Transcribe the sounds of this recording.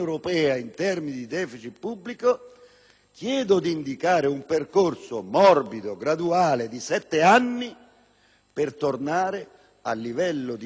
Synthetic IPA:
wɾopɛːaint̪ɛrminid̪id̪ɛːfit͡ʃipːubːliko | kjɛːd̪ʊd̪iːnd̪ikaːɾɪumperkorsʊmɔrbid̪oɡɾad̪uaːlɪd̪isɛt̪ːɪanːi | pɪrt̪ornaːɾɪ | a̰lːivɛlːʊd̪i

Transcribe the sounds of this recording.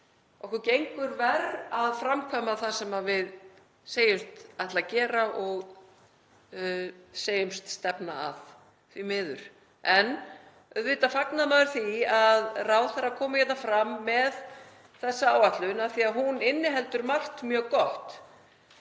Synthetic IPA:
ɔhkɛcejŋkʏɾvɛɾaðfɾamkʰamaðθasɛmavɪð | seːjʏmst̪ajht̪lacɛːɾaʔɔɣ | seːjʏmst̪st̪ɛpnaa̰ð | θvimɪːðʏ̰ɾ̥ | ɛn | œðvɪːt̪afaknamaðʏɾ̥θiaðraːwθɛɾakʰɔːmacɛt̪nafɾamːɛð | θɛsːaaːwaht̪lʏnaθiaðɦunɪnːɪɦɛlt̪ʏɾmal̥t̪mjœːɣkɔht̪

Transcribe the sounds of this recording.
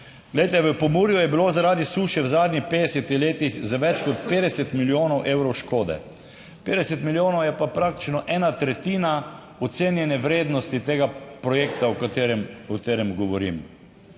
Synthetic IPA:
ɡlɛjt̪ɛʋəpɔmuːɾjujɛbilozaɾaːd̪isuːʃɛwzaːd̪nʲixpeːd̪ɛsɛt̪ixleːt̪ixzaʋɛt͡ʃkɔt̪̚peːd̪ɛsɛt̪miljoːnɔwʔeːwɾɔwʃkoːd̪ɛ̰ | peːd̪ɛsɛt̪miljoːnɔwjɛpapɾaːk̚t̪i̥t͡ʃnɔʔɛːnat̪ɾɛt̪iːna | ɔt̪seːnjɛnɛʋɾeːd̪nɔst̪it̪eːɡapɾɔjeːkt̪aɔkat̪eɾɛmɔt̪eːɾɛmɡɔʋɔɾḭm

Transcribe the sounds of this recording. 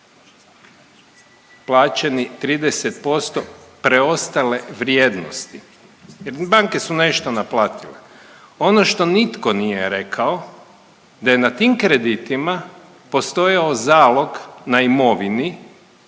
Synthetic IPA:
plˠaːt͡ʃenit̪ɾiːd̪eset̪po̞st̪opɾeo̞st̪ale̞ʋɾjed̪no̰st̪i | jeɾbaŋke̞sune̞ʃt̪onaplaːt̪ilḛ | o̞noʃt̪o̞nit̪konijeɾe̞kʰao | d̪aje̞nat̪iːmkɾed̪it̪ima | po̞st̪o̞jaozaːlˠo̞ɡnaimo̞ʋini

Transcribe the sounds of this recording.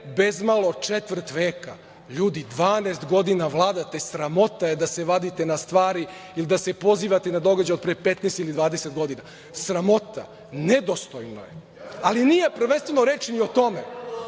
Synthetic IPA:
bezmalo̞t͡ʂet̪ʋr̩t̪ʋeːka̰ | ʎuːd̪id̪ʋaːneːst̪ɡo̞d̪inaʋlˠaːd̪at̪esɾamo̞t̪ajed̪aseʋad̪it̪enast̪ʋaːɾi | ilid̪ase̞po̞ziːʋat̪enad̪o̞ɡad͡ʑajod̪̚pɾepet̪nɛst̪ilid̪ʋaːd̪ese̞t̪ɡo̞d̪ina | sɾamo̞t̪a̰ | ned̪ost̪ojno̰je | aliniːje̞pr̩ʋenst̪venoɾeːt͡ʃnio̞t̪o̞me

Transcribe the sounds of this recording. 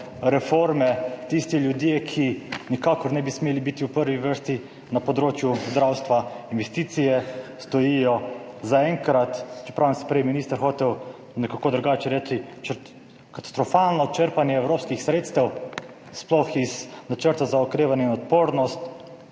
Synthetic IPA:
ɾɛfoːɾmɛt̪ist̪iljud̪jeːkʰinikaːkɔɾnɛbismeːlibit̪iuwpəɾʋiʋəɾst̪i | napɔd̪ɾoːt͡ʃjuzd̪ɾawst̪ʋainʋɛst̪iːt̪sijɛst̪ɔjijɔzaɛŋkɾat̪t͡ʃɛ̥pɾaːwmsi̥pɾɛjminiːst̪əɾxoːt̪ɛw | nɛkakoːd̪ɾuɡaːt͡ʃɛɾɛːt͡ʃit͡ʃə | kat̪ḁst̪ɾɔfalnɔt͡ʃəɾpanjɛːwɾoːpskixsɾeːt̪st̪ɛw | splɔxiznat͡ʃəɾt̪azaɔkɾeːʋanjɛinɔt̪poːɾnɔst̪

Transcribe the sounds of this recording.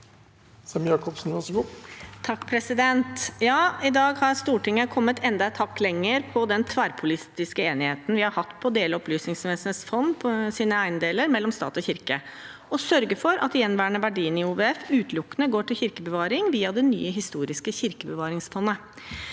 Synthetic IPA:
sɑmjɑːkɔpsn̩ʋɑʂɡuːt̪ʰɑkːpʰɾɛsɪd̪ɛnt̪jɑːɪd̪ɑːɡhɑɾst̪uːʈɪŋːəkʰɔmːət̪ʰɛnd̪ɑt̪ʰɑkːlɛŋːəɾpʰɔd̪ɛnt̪ʰʋæɾpʰʊlɪst̪ɪskəeːnɪheːt̪n̩ʋɪhɑɾhɑt̪ːpʰɔd̪eːləɔplyːsnɪŋsʋɛːsənəsfɔnːpʰɔsiːnəæɪnəd̪eːləɾmɛlːɔmst̪ɑ̰ːt̪ɔçɪɾkəɔsœɾɡəfɔɾʔɑ̰t̪jɛnːʋæːɾɳəʋæɖiːnɪuːʋeɛfʉːt̪ʰlʊkːənəɡoːʈɪlçɪɾkəbəʋɑːɾɪŋʋiːɑd̪ɛny̰ːəɦɪst̪uːɾɪskəçɪɾkəbəʋɑːɾɪŋsfɔnːə

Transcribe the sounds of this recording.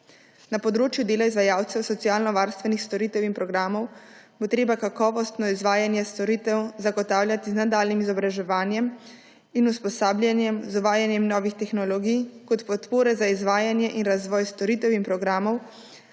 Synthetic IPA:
napɔd̪ɾoːt͡ʃjud̪eːlaizʋajaːwt̪sɛwsɔt̪sijaːlnɔʋaːɾst̪ʋɛnixst̪ɔɾiːt̪ɛwinpɾɔɡɾaːmɔw | bot̪ɾeːbakakɔːʋɔst̪nɔizʋaːjanjɛst̪ɔɾiːt̪ɛwzaɡɔt̪aːwljat̪iznad̪aːlnimizɔbɾaʒɛʋaːnjɛm | inuspɔsaːbljanjɛmzuʋaːjanjɛmnɔːʋixt̪ɛxnɔlɔɡijkɔt̪pɔt̪poːɾɛzaizʋaːjanjɛʔinɾazʋɔːjst̪ɔɾiːt̪ɛwinpɾɔɡɾaːmɔw

